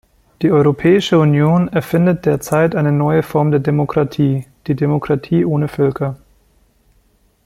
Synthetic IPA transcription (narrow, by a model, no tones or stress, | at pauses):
d̥iːʔɔʏʁopʰɛːɪʃəunjoːnɛɐfɪndət̚d̥eːɐt͡saɪtʔaɪnənɔʏəfɔɐmdeːɐdemokʁ̥atʰiːd̥iːdemokʁ̥atʰiːʔoːnəfœlkʰɐ